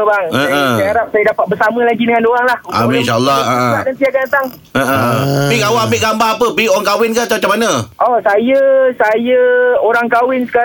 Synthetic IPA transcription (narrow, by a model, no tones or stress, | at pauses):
baŋəʔəaaɾap̚sajədapat̪̚bəsamə̃laɡidəŋanoaŋlahua̰mnʃaəlːaaʔəadansiakanat̪aŋ | ʔəʔəbiɡawaamiʔɡambaapəbioaŋkawɪnkat͡ʃat͡ʃamanəʔɔsajəsajəoɾaŋkawɪnsə̥ka